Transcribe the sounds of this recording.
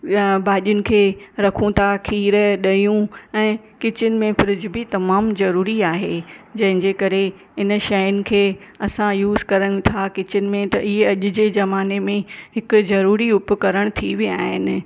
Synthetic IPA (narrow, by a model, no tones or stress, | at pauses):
baːɗijʊnɪ̆kʰeːɾɐkʰũt̪ʰakʰiːɾɗɐjũɛ̃ː | kɪt͡ɕʊnɪ̆mẽfɪɾɪd͡ʑbit̪ɐmaːmzɐɾuːɾiaːɦed͡ʑɐ̃ɦɪ̃ɲd͡ʑekɐɾe | ɪnʃɐjʊnɪ̆kʰeːɐsãjuːzkɐɾəɽ̃ɪ̆t̪ʰakɪt͡ɕʊnɪ̆mẽt̪ɐʔɪɦeɐʄʊ̆d͡ʑezɐmaːnemẽɦɪkʊ̆zɐɾuːɾiʊpkɐɾəɽ̃t̪ʰiʋiaːɦɪnɪ̆